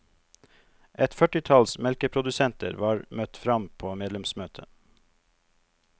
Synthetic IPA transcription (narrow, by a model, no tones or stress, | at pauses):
ʔɛt̪fœʈɪt̪ʰɑlsmɛlkəpʰɾʊd̪ʉsɛnt̪ʰə̰ɾʋɑːɾmœt̪fɾɑmpʰoːmeːd̪lɛmsmøːt̪ʰə̰